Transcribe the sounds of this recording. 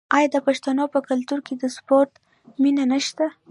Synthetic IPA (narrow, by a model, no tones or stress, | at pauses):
ɑjɑd̪əpaʃt̪anopəkalt̪uɾked̪əspoɾt̪ | minanəʃt̪a